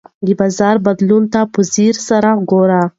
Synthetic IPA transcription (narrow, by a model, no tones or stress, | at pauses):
d̪ibɑzɑɾbad̪lunt̪apuziɾsaɾaɡoɾa